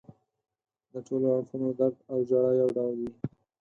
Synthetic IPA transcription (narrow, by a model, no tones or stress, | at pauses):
d̪əʈoloafunod̪aɾd̪awd͡ʒaɽɑjawɖawldi